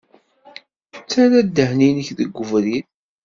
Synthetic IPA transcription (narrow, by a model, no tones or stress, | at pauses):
t͡sːæɾæd̪ːəhninəçðəɡʷːəvɾin